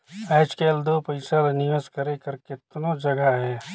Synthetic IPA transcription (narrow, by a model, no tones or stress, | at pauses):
ɛːt͡ʃkeːld̪oːpɐɪsalnɪəskəɾekɐɾkɪt̪nod͡ʒɐɡaɦɛː